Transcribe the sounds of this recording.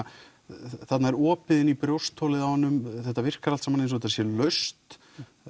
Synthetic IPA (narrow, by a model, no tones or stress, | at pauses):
θat̪naɛɾɔːpɪðɪnipɾjowst̪ʰːɔːlɪðahɔnːʏmθɛht̪ːavɪr̥kaɾalt̪samanejns̬veːt̪asjɛlœɥst̪